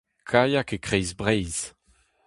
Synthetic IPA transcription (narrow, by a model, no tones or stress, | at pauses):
kʰajakekʁejzbʁɛjz